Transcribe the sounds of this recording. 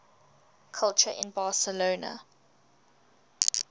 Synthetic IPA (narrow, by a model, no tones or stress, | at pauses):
kʰʌlˠt͡ʃəʔɪ̰̃nbɑːˑsəloːnə̰